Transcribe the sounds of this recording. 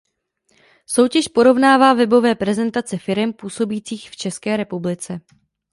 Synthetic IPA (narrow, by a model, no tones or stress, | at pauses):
so̞wcɛʃpo̞ɾo̞vnaːvaːvɛbo̞vɛːpɾɛzɛnt̪at͡sɛfɪɾɛmpuːso̞biːt͡siːxft͡ʃɛskɛːɾɛpublɪt͡sɛ